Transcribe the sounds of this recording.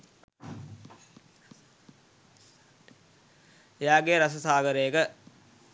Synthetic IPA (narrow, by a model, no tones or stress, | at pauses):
ejaːɡeɾas̬əsaːɡəɾəjəkə